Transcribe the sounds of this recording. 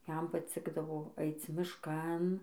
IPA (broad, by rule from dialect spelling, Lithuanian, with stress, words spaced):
ˈjɛm pɐˈt͡sʲɪɡdɐʋoː ˈɐɪt͡s mʲɪʃˈkɐn